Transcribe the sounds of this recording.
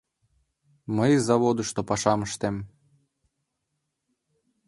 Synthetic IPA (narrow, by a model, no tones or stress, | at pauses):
məjzɑβod̪uʃt̪opɑʃɑməʃt̪em